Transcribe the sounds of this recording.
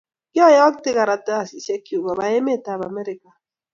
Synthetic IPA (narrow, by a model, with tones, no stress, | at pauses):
ki˦ɔ˦jɔ˦kte˦ka˨ɾa˨ta˦a˨si˨se˦ki˨o˨ba˨ba˨je˦me˦˨ta˨ba˨me˦ɾi˦ka˨